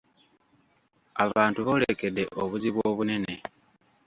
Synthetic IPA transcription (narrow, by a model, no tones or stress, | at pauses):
aβaːntuβo̞ːlḛke̞de̞ʔoβuziβwoːβune̞ne̞